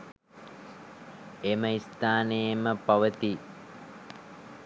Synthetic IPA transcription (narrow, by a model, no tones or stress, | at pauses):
eməist̪aːnejəməpɐʋət̪i